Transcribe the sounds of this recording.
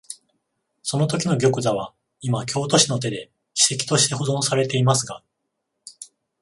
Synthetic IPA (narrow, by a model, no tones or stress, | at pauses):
so̞no̞t̪o̞kʲino̞ɡʲo̞kɯ̟zaβ̞a | imakʲo̞ːt̪o̞ɕino̞t̪̬e̞d̪e̞ | çi̥se̞kʲi̥t̪o̞ɕi̥t̪e̞ho̞zõ̞ɰ̃saɾe̞t̪e̞imasɨɡa